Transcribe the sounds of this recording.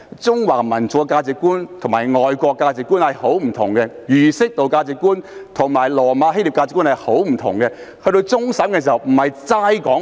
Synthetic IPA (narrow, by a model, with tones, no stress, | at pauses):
t͡sʊ˥ŋwaː˨˩ŋmɐ˨˩nt͡su˨˧kaː˧t͡sɪ˨kːuː˥nt̪ʰʊ˨˩ŋmaː˨˩jŋɔː˨jkʷɔː˧kːaː˧t͡sɪ˨˧kːuː˥nhɐ˨jho˨˥wm̩˨˩t̪ʰʊ̰˨˩ŋɡɛ˧jyː˨˩sɪ˥k̚t̪o˨˧wkaː˧t͡sɪ˨kːuː˥nt̪ʰʊ˨˩ŋmaː˨˩jlɔː˨˩maː˨˧˥ɦe˥li˨pkaː˧t͡sɪ˨kːuː˥nhɐ˨jho˨˥wm̩˨˩t̪ʰʊ̰˨˩ŋɡɛ˧ | hɵ˧ɾo˧wt͡sʊ˥ŋsɐ˨˥mkɛ˧si˨˩hɐ˨˩wm̩˨˩hɐ˨jt͡saː˧˥jkɔː˨˥